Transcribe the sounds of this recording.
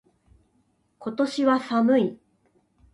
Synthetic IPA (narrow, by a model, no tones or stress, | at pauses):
ko̞t̪o̞ɕiβasamɯ̟i